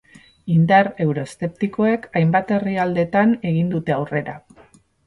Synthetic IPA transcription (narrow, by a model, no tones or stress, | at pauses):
ind̪aɾe̞wɾo̞st̪e̞p̚t̪iko̞e̞kajmbat̪e̞riald̪e̞t̪ane̞ɣ̞ind̪ut̪e̞awre̞ɾa